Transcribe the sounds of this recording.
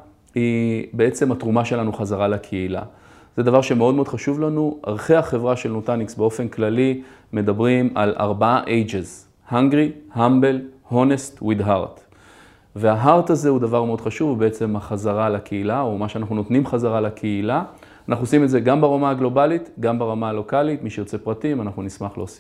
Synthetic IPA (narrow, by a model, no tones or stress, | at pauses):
hibe̞e̞t͡se̞mat̪ʁumaʃe̞lanuχazaʁalakʰeila̰ | z̥e̞d̪avaʁʃe̞me̞od̪̚me̞dχaʃuvlanua̰ʁχehaχe̞vʁaʃelnotaniksbeo̞fe̞nklalime̞d̪abʁima̰la̰ʁbaaʔejd͡ʒez | haŋɡʁihambe̞lho̞ne̞stwid̪ɦaʁt | veaɦaʁt̪aze̞hud̪avaʁmeo̞d̪χaʃuvbeet͡se̞maχazaʁalakʰeilao̞maʃeanaχnuno̞tnimχazaʁalakʰeila | anaχnuosimedzeɡambaʁamaaɡlo̞balit̪ɡambaʁamaalo̞kalitmiʃejot͡se̞pʁatimanaχnunismaχleosi̥